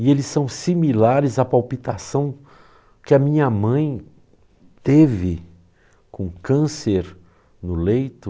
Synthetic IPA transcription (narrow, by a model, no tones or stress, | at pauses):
ɪelɪsːɐ̃w̃similaɾɪzɐpawpit̪asɐ̃w̃ | kɪɐmĩɲɐmɐ̃j̃ | t̪evɪ | kõkɐ̃seɾ | nʊlejt̪ʊ